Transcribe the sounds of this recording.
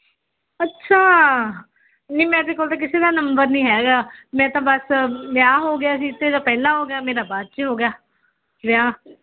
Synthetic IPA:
ətːʃʰaː | niːmɛ̃ːd̪eːkoːlt̪ãːkɪseːd̪aːnəmbəɾnĩːɦɛːɡaːmɛ̃ːt̪ãːbəsmjaːɦoːɡjaːəs̬ĩːɪt̪ːẽːd̪ãːpɛːlãːɦoːɡɪjaːmeːɾaːbaːt̪t͡ʃːɦoːɡejaː | ʋɪjaː

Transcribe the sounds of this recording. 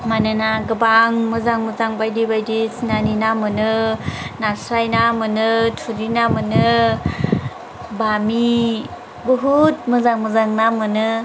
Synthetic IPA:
manɯnaɡɯbaŋmɯzaŋməzaŋbajdibajdisinaninamɯnɯnasɾajnamɯnɯtʰuɾinamɯnɯ | bami | bɯɦut̚mɯzaŋmɯzaŋnamɯnɯ

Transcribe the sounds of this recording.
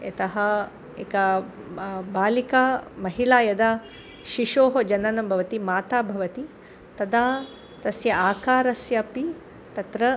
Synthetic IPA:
ɐt̪ɐɦɐ | ḛkɐ | baːlikaːmɐɦiɭaːjɐd̪aː | ʃiʃoːɦɐd͡ʒɐnɐnɐmbʱɐʋɐt̪imaːt̪aːbʱɐʋɐt̪i | t̪ɐd̪aː | t̪ɐsjɐaːkaːɾɐsjɐpi | t̪ɐt̪ɾɐ

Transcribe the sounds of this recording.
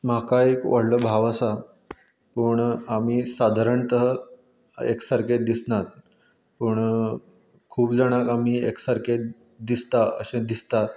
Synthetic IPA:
m̤akaekʋəɽ̤ləbʱaʋəsa | pəɳam̤iːsad̪ʱaɾəɳt̪əɦə | ḛksəɾked̪isnat̪̚ | pəɳ | kʰuːpd͡zaɽ̃akam̤iːeksəɾke | d̪ist̪aə̰ɕẽd̪ist̪at̪

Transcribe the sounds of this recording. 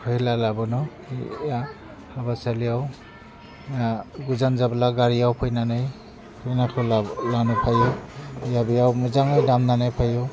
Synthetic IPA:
kʰɔjlalabɯnɔ | ija | habasalijaw | mjaɡuzanzablaɡaɾijawpʰɯjnanɯj | pʰɯjnakʰɯlalanupʰajɔjabijawmizaŋɯjdamnanajpʰajɔ

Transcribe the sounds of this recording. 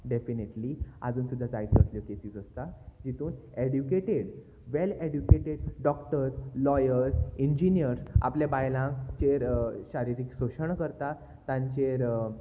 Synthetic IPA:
ɖefineʈlia̰d͡zuːnsud̪ʱːad͡zait̪kəsljəkesiːt͡səst̪ad͡ʑit̪uːneɽjukeʈeɽ | ʋeleɽjukeʈeɽɖɔkʈəɾslɔjəɾsiɲd͡ʑinijəɾsa̰pljabajlãkt͡ɕeɾɕaɾiɾiːksoɕəɳkəɾt̪a | t̪ãɲt͡ɕeɾ

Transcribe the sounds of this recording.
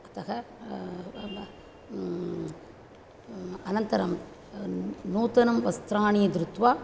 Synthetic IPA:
ɐt̪ɐɣɐ | ɐnɐnt̪ɐɾɐm | nuːt̪ɐnɐmʋɐst̪ɾaːɳɪjɐd̪ɾɯt̪ʋaː

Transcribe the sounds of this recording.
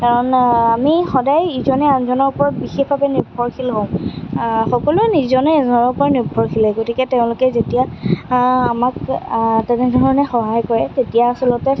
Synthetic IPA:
kaɹɔnamixɔdajizɔnɛazɔnɔɹupɔɹɔt̚bixexbʱabɛniɹbʱɔɹkʰilɦõʊ̃ | xɔkɔlʊɛnizɔnɛzɔnɔɹpɔɹɔnibʱɔɹkʰilɛɡotikɛteʊ̃lʊkɛzetijaː | maktɛnɛdʱɔɹɔnɛxɔɦajkɔɹɛtetijaːsɔlɔtɛ

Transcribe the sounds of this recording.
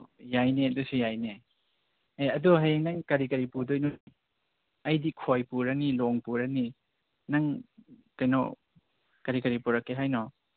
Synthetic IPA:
jajneɐdusujajne | eɐduɦanɐŋkɐɾikɐɾipudojnu | ɐjdikʰojpuɾɐniloŋpuɾɐni | nɐŋkɐjnɔ̰ | kɐɾikɐɾipuɾɐkːeɦajnɔ

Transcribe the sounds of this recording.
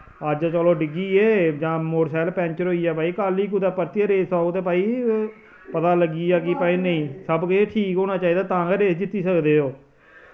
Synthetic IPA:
əd͡ʒat͡ʃɔːloːɖɪɡiːeːd͡ʒãːmoːɾsɛːlpɛ̃ːɲt͡ʃəɾɦoːiːaːpaːiːkaːlːiːk̬ud̪aːpəɾt̪iaːɾeːsaːt̪eːp̬aːiː | pət̪aːləɡiːaːkipaːiːnəĩːsəbkeʈʰiːkɦoːnaːt͡ʃaːiːd̪aːt̪ãːɡaɾeːsd͡ʒɪt̪ːiːsəkd̪eːoː

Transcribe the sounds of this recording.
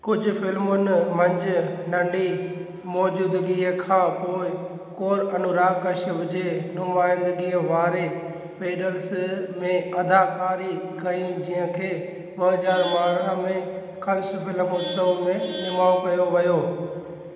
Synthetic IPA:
kʊd͡ʑʱʊ̆fɪlmʊnɪmɐ̃ɲd͡ʑʊ̆nɐ̃ɳɖi | mɔːd͡ʑuːd̪ɡiəkʰãːpoːɪ | koːɾɐnʊɾaːkɐʃəbd͡ʑeːnʊmaːɪ̃nd̪əɡiəʋaːɾe | peːɖəlsmẽɐd̪ʱaːkaːɾikɐĩd͡ʑiːɦə̃kʰeː | ɓɐɦɐzaːɾʋaːɾãmẽ | kʰɐ̃nsʊfɪlmʊsəʋmẽɪmaːõkɐjoʋɐjoː

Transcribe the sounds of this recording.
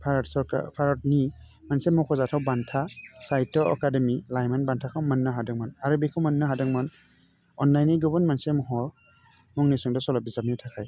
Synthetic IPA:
pʰaɾsɔɾka̰pʰaɾɔt̚nimansemɔkʰɔzatʰawbantʰasajtɔɔ̰kademilajmanbantʰakʰawmanːɯɦadɯŋmanaɾɯbikʰɔwmɐnːɯɦadɯŋman | ɔnlajniɡɔbɔnmansemɔɦɔ | mɔŋnisɔŋdɔsɔlɔbizap̚nitʰakʰaj

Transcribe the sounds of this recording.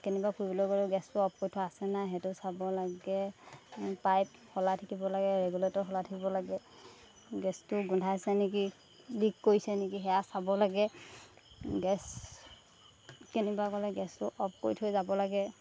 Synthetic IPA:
kɛnibakuibɔlɔɡɔlɡɛstʊɔp̚kojtʰʊaasɛnaɦɛtʊsabɔlaɡɛ | pajphɔlatʰakibɔlaɡɛɹɛɡuletɔɹkʰɔlatʰakibɔlaɡɛ | ɡɛstʊɡundʰʱasɛnɛk̬i | likːoisɛnɛkiɦɛjasabɔlaɡɛ | ɡɛs | kenibakɔlɛɡɛstʊʔɔp̚kojtʰɔjzabɔlaɡɛ

